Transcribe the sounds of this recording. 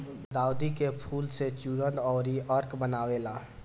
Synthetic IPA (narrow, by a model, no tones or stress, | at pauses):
bd̪aːʊd̪ikepʰuːlset͡ʃuːɾə̃d̪ɔːɾiʔəɾkbənaːʋeːlaː